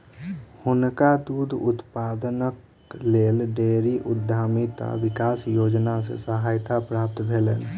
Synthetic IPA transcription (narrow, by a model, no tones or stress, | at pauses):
hʊnkad̪ud̪ʱut̪pad̪ənək | lelɖeɾiʔʊd̪ʱːamit̪a̰ʋikasjod͡ʒnasḛsəɦajt̪apɾap̚t̪bʱelən